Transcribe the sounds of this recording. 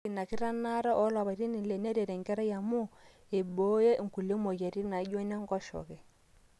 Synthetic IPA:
i˨na˨ki˦ɾa˦na˦ɾɔ˦ʔɔ˦la˨βa˨ɾi˦ni˨lɛ˨nɛ˦ɾɛ˨ɾɛ˨ŋɡɛ˦ɾa˦ja˨mu˦ | e˨bɔ˦je˦˨ŋ̩˨ku˨le˦mɔ˨jɛ˨ɾi˦na˨˦ɟɔ˦nɛ˦ŋ˦ɡɔ˦ʃɔ̰˨kɛ˨

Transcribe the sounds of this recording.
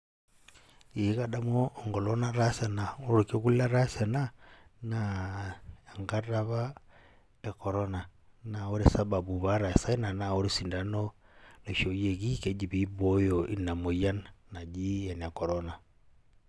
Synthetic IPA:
i˨˦ka˦ɗa˦mɔː˦˨ŋɡɔ˨lɔ˦na˦ɾa˦sa˨na˨ɔ˦ɾu˨ko˦ku˦la˦ɾa˦sa˨na˦na˨ | a˨ŋɡa˦ɾa˦βa˦ | ɛ˨kɔ˨ɾɔ˦na˨na˨ɔ˦ɾɛ˦sa˦ba˨bu˨βa˦ɾa˨sa˦i˦na˨na˨ɔ˦ɾi˦si˨nda˨nɔ˦na˨ʃɔ˨je˨ki˦kɛ˨d͡ʒi˨βi˦bɔ˦jɔ˨ʔi˦na˨mɔ˨ja˦nna˨d͡ʒi˦jɛ˨n˨a˨kɔ˨ɾɔ˦na˨

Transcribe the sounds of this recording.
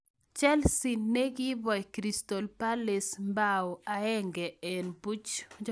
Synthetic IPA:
t͡ʃɛ˦lsi˨nːe˦ɡi˦bɔ˨jkɾi˨st̪ɔ˨lpa˦le˨smbao˨a˨ɛ˦ŋɡɛ˨ɛ˨nbu˦t͡ʃd͡ʒ

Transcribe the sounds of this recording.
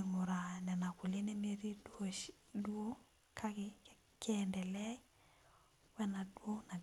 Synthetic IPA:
ŋo˨ɾa˨nɛ˨na˨ku˨le˦ne˦me˦ɾi˦do˦ʃ | duo˦ | kʰa˦ke | kɛndɛ˨lɛ˦i˦ | wɛ˦na˨dwo˦na˨

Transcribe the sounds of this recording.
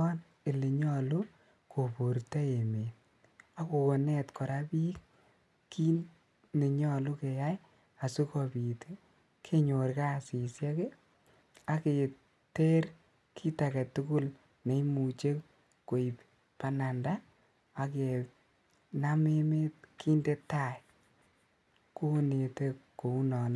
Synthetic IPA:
ɔ˦n | e˨le˨ɲɔ˦lu˦ | kʰo˨po˨ɾta˦e˨me˨t | a˦ko˨ko˨nɛ˦tkʰɔ˨ɾa˦pi˦k | kʰːi˦ | ne˨ɲɔ˦lu˦ke˨ja˦j | a˨su˦kɔ˨bi˨tʰe˦ | kʰe˦ɲo˨ɾka˦˨si˨sjɛ˦ke˦ | a˨ke˨ | te˦r | kʰi˦ta˨kɛ˨tu˦ɡu˦l | ne˨˦imu˨t͡ʃe˦ | ko˨i˨p | pa˨na˨nda˦ | a˨ke˨ | na˦me˦me˦tki˦nde˦tːa˨j | ko˦ne˨te˦ko˨u˦nɔ˨na˦

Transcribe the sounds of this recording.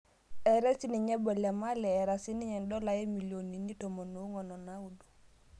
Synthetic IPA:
ɛ˨ɾɛ˦si˦ni˨ɲɛ˦bɔ˨lɛ˨ma˦lɛː˨ɾa˨si˦ni˦ɲɛ˨ndɔ˦la˨je˦mi˨ljo˨ni˨ni˦to˨mo˨no˦ŋɔ˨nɔ˨na˦wu˨du̥˨

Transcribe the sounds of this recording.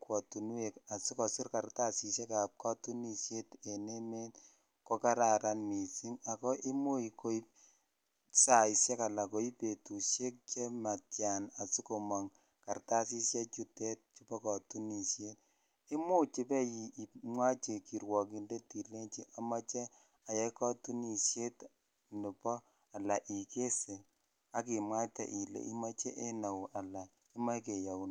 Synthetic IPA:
kwɔ˨tu˨nu˦e˨ka˨su˦kɔ˨sɪ˦rka˨rta˦si˨se˦ka˨p̚ka˦tu˦ni˨ʃje˦te˨ne˦me˦t | ko˦˧ka˦ɾa˨ɾa˨nmi˨si˦ŋa˨kɔ˦ʔi˦mu˦i˨ko˦i˦p̚ | sa˨i˨sjɛ˦ka˨la˨ko˨˦i˦pe˨tu˨ʃe˦k̚t͡ʃɛ˦ma˨tja˨na˨su˦ko˨ma˨ŋ | ka˨rta˦si˦sjɛ˦t͡ʃu˦tɛ˦t̚t͡ʃupɔ˦kɔ˨tu˦ni˨ʃje˦t | i˦mu˦t͡ʃi˦pɛ˦ji˨i˨mwa˦t͡ʃe˨ki˨ɾwɔ˨k̬i˨nde˦ti˨le˦nt͡ʃi˦ʔa˨ma˦t͡ʃɛ˦ | a˨jɛ˦kɔ˦tu˦ni˨ʃje˦t | nu˨pɔ˦ | a˨la˨ʔi˨ke˦se˨ | a˦ki˨mwa˦t͡ʃa̰˨ʔi˨lḛ˨ʔḭ˦ma˦t͡ʃɛ˦ʔe˦na˨wʔa˨la˨ | i˦ma˦ke˨ja˨u˨n

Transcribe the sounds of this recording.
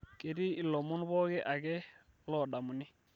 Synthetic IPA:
ke˨di˦i˦˨lɔ˨mʊ˦n˦bɔ˦kɛ˦ʔa˨kɛ˦ | lɔ˨ɗa˨mu˨ni˦

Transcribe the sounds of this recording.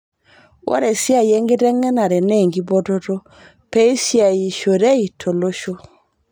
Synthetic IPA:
wɔ̰˦ɾɛ˨sja˦˨je˦ŋɡɪ˦tɛ˦ŋɛ˦na˨ɾɛ˨nɛ˦˨ŋɡi˦bo˦to˦to˦ | pe˦i˦sja˨ji˨ʃo˨ɾe˦i˨tʰo˨lo˦ʃo˦

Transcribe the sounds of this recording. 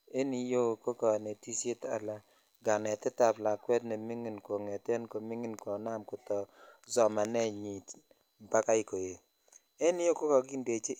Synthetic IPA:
e˦ni˨jo˦˨ko˦kɔ˨ne˨ti˦se˦ta̰˨la˦ | ɡa˨nɛ˨tɛ˦ta˨bla˨kwɛ˦tnɛ˨mi˦ŋi˨nkwo˨ŋɛ˨tɛ˦nko˨mi˦ŋi˦nkwo˨na˦mkʊ˨tɔ˨zɔ˨ma˨nɛ˦ɲi˨t | ba˦ka˦i˨ko˨je˨ | ɛ˦n˦jo˦ko˦kɔ˨ɡi˦nde˨t͡ʃe˦

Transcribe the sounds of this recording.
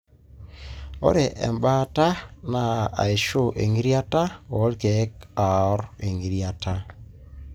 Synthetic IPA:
o̰˦ɾe˨ʔɛ̰˨mba˦ta˦na˨a̰˨e˨ʃo˦ʔe˨ŋi˦ɾi˦a˦ta˦o˨˦lke˨˦ka˨ɔ˦ɾe˨ŋi˨ɾia˨ta˦

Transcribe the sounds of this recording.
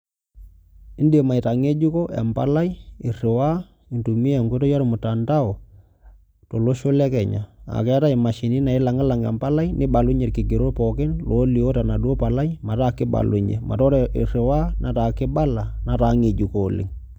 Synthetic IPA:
ɪ˦nde˨ma˨i˨ta˨ŋe˦d͡ʒu˦ko˦ʔɛ̰˨mpa̰˨˦la˦i˦ɪ˨rɪ˨wa˦ | i˨ntu˨mi˦ɛ˨ŋɡo˦to˦jɔ˦ɾɔ˨mʊ˨ta˨nda˦ɔ˨ | to˨lo˦ʃo˦lɛ˦kɛ˨ɲa˨a̰˨kɛ˨˦ta˦i˨ma˨ʃi˨ni˦na˨ɪ˦la˨ŋa˦la˨ŋɛ̰˨mpa˦la˦inɪ˦ba˨lu˦ɲɛ˨tkɪ˨ɡɪ˨ɾo˦pɔ˨kɪ˦nlo˨˦li˨o˦ta˨na˨du˦o˦pa˨la˦i˦ma˨ta˦kːɪ˦ba̰˨lṵ˨ɲɛ̰˨ma̰˨tɔ˦ɾḭ˨rɪ˨wa˦na˨ta˨kːɪ˦ba˦la˨na˨ta˨˦ŋe˨d͡ʒu˨koː˨lɪ̰˨ŋ

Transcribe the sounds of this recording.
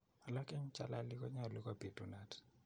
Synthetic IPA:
a˨la˦kɪ˦ɲt͡ʃa̰˨la˦li˦kɔ˦ɲa˦˨li˦ka˦pi˨tu˨na˨t

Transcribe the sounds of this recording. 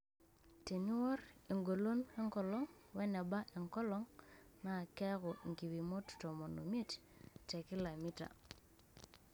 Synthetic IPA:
te˨ni˦wɔ˦ɾe˨ŋɡo˨lo˦nɛ˦ŋkɔ˨lɔ˦ŋ | wɛ˦ne˨ba˦ʔe˨ŋkɔ˦lɔ˦ŋna˨kɛ˦kɔ˨ŋɡi˨wi˨mo˦tu̥˨to˨mo˨no̰˨m˦e˦t | te˨ki˦la˨mi˦ta̰˨

